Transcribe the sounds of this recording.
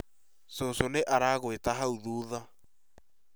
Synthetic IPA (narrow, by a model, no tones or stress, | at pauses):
sosoneʔaɾaːɣwetaɦauðuːða